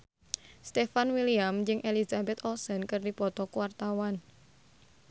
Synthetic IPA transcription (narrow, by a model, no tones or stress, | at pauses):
st̪efanwiliamd͡ʒɨŋʔelizabɛt̪ɔsənkərdipɔt̪ɔkwart̪awan